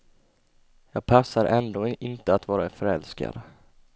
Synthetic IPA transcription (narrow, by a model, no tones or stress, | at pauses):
jɑːɡ̚pʰasːaɾʔɛnd̪oːʔɪnt̪əat̪vɑːɾafœɾɛlska̰ɾ